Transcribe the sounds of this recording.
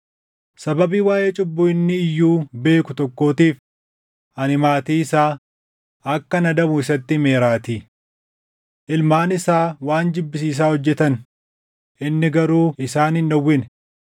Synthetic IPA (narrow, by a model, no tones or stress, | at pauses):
sɐbɐbiːwaːʔe̞ːt͡ʃʼʊbːʊɪnːɪːjːuːbe̞ːkʊt̪ɔkːo̞ːt̪iːf | ʔɐnɪmaːt̪iːɪsaː | ɐkːɐnɐd̪ɐmʊɪsɐt̪ːɪme̞ːɾaːt̪i | ʔɪlmaːnɪsaːwaːnd͡ʒɪbːɪs̬iːs̬aːhɔd͡ʒːɛt̪ɐn | ʔɪnːɪɡɐɾuːɪsaːnɪnːɐwːɪn